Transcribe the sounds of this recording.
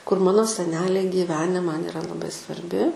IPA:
kʊr ˈmɑːnoː sʲɛˈnʲæːlʲɛɪ ɡʲiːˈʋʲæːnʲɛ ˈmɐn ɪˈrɐ lˠɐˈbɐɪ sʋɐrʲˈbʲɪ

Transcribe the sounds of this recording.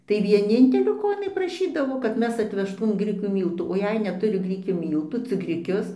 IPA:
tɐɪ ʋʲiɛˈnʲɪnʲtʲɛlʲoː ˈkoː ɪˈnɐɪ prɐˈʃʲiːdɐʋoː kɐt ˈmʲɛs ɐtʲʋʲɛʃˈtuːm ˈɡrʲɪkʲuː ˈmʲiːlˠtuː oː ˈjɛɪ nʲɛtʊˈrʲɪ ˈɡrʲɪkʲuː ˈmʲiːlˠtuː t͡sʲɪk ɡrʲɪˈkʲʊs

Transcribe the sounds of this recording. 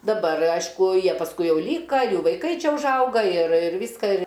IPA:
dɐˈbɐr ˈɐɪʃkʊ ˈjiɛ pɐsˈkʊɪ ˈjɛʊ ˈlʲiːkɐ ˈjuː ʋɐɪˈkɐɪ ˈt͡ʃʲɛ ʊʒˈɐʊɡɐ ɪr ɪr ˈʋʲiːskɐ ɪr

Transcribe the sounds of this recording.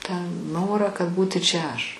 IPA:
tɑː ˈnoːrɑː kɐt ˈbuːtʲɪ t͡ʃʲɛ ˈɐʃ

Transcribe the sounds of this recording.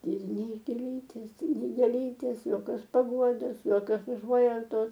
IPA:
ɪr ˈnʲɛɪ ɡʲeːˈlʲiːtʲeːs ˈnʲɛɪ ɡʲeːˈlʲiːtʲeːs joːˈkʲoːs pɐˈɡuɔdoːs joːˈkʲoːs ʊˈʒuɔjɛʊtoːs

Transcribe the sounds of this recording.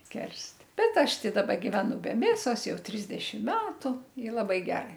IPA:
ˈkʲɛrst ˈbʲɛt ˈɐʃ ˈtɐɪ ˈdɑːbɐ ɡʲɪʋʲɛˈnʊ bʲɛ ˈmʲeːsoːs ˈjɛʊ ˈtʲrʲɪzʲdʲɛʃʲɪm ˈmʲæːtʊ ɪ lˠɐˈbɐɪ ˈɡʲæːrɐɪ

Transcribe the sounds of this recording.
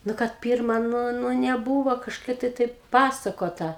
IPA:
ˈnʊ kɐt ˈpʲiːrmɐ ˈnʊ ˈnʊ nʲɛˈbuːʋoː kɐʃˈkɐɪ tɐɪ tɐɪp ˈpɑːsɐkoːtɐ

